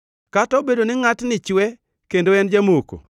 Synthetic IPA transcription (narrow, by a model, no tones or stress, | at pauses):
katɔbedonɪŋatnɪt͡ʃwɛ | kendoɛnd͡ʒamoko̰